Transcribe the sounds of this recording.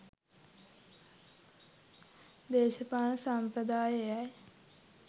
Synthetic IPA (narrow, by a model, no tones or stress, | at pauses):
d̪eːʃəpaːnəsampɾəd̪aːjəjaj